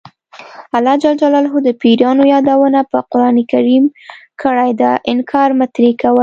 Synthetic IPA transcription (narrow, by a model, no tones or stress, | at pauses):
alɑd͡ʒald͡ʒalɑlɦod̪əpiɾjɑnojɑd̪awənapəqʊɾɑnikaɾimkʰəɽajd̪əʔɪnkʰɑɾmat̪ɾikawə